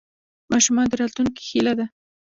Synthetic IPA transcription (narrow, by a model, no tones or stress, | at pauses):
mɑʃumɑnd̪əɾɑt̪luŋki̥xelad̪a